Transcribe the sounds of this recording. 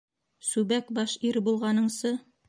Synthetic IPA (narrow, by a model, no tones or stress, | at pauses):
sʉbækbɑʃiɾbulˠʁɑnɤ̆ɴsɤ